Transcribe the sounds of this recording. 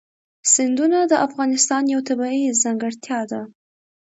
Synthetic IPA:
sɪnd̪unad̪əʔafɣɑnɪst̪ɑnjawt̪abaizaŋɡəɽt̪jɑd̪a

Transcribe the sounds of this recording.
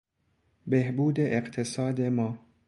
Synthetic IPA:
behbuːd̪eʔːqt̪ʰesɒːd̪emɒː

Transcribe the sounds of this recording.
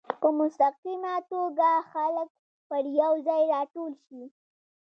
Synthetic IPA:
pəmʊst̪aqimat̪oɡaxalək̚ | pəɾjawzɑjɾɑʈolʃi

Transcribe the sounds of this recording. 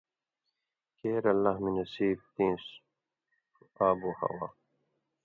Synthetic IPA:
keːɾɐlːahminɐsiːb̚t̪ĩːs | uaːbuhɐ̰wa

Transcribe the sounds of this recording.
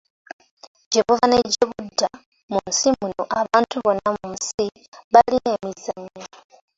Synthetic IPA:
ɟeβuvaneɟeβudːa | mumsimunoʔaβaːntuβo̞nːamumusi | βalinemizaɲːo

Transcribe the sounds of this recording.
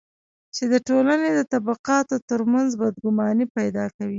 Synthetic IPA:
t͡ʃed̪əʈolaned̪ət̪abaqɑt̪ot̪əɾmanzbad̪ɡʊmɑnipajd̪ɑkawi

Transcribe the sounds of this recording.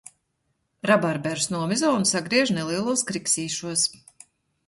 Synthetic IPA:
ɾabaɾbɛɾsnuɔmizɔːnsaɡɾiɛʒnɛlˠiɛlˠuɔskɾiksiːʃuɔs

